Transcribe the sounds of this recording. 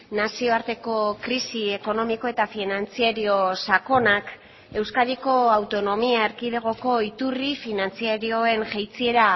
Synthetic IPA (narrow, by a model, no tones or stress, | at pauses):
nasio̞aɾt̪e̞ko̞kɾisieko̞no̞miko̞e̞t̪afinant͡siaɾio̞sako̞nak | e̞wskaðiko̞awt̪o̞no̞miae̞ɾkiðe̞ɣ̞o̞ko̞it̪urifinant͡siaɾio̞e̞nʝajt͡sie̞ɾa